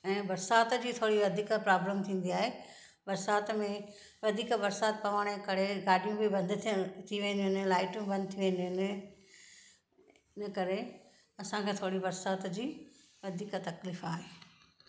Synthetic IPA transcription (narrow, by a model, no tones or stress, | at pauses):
ɛ̃ːbɐɾsaːt̪d͡ʑiːt̪ʰoːɽiʋɐd̪ʱiːkəpɾaːbləmt̪ʰĩːnd̪iaːɦeː | bɐɾsaːt̪mẽ | ʋɐd̪ʱiːkbɐɾsaːt̪̚pɐʋaːɽ̃kɐɾeɡaːɗijũbɪbɐ̃nd̪t̪ʰiʋẽːnd̪iʊɪñlaːɪʈũbɐ̃nd̪ʱɪt̪ʰiʋẽːnd̪ĩɪn | ɪnəkɐɾe | ɐsãkʰeːt̪ʰoːɽibɐɾsaːt̪d͡ʑiː | ʋɐd̪ʱiːkt̪ɐkliːfaːɦeː